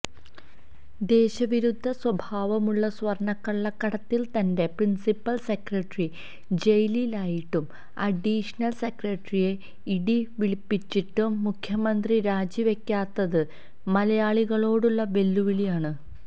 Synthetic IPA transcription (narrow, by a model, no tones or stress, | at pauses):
d̪e̞ːɕɐʋiɾud̪ʱːɐswɐbʱaːʋɐmuɭːɐswɐrɳɐkːɐɭːɐkːɐɽɐt̪ːilt̪ɐnde̞prinsipːɐlsekrɐʈri | d͡ʑejlilaːjiʈːum | ɐɖiːʂɐnɐlse̞krɐʈrije̞ | iɽiʋiɭipːit͡ɕːiʈːumːukʰjɐmɐnd̪riɾaːd͡ʑiʋe̞kʲːaːt̪ːɐðɨ | mɐlɐjaːɭiɣɐɭo̞ːɽuɭːɐʋe̞lːuʋilijaːɳɨ